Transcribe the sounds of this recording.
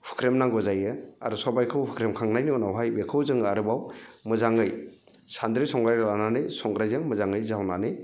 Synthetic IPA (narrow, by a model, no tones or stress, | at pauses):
pʰɯ̥kʰɾemnaŋɡɔzajɯa̰ɾusɔbajkʰɯwpʰɯkʰɾemkʰaŋnajniɔnawɦajbekʰɯwzɯŋaɾɯbawmɯzaŋɯj | sand̪ɾɯjsɔŋɡɾajɾalananɯjsɔŋɡɾajzaŋmɯzaŋɯjzawnanɯj